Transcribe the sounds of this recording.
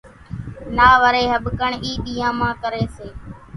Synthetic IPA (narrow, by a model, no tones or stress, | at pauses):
naːʋəɾeːɦəɓkəɳiːɗiːãːmãːkəɾeːseː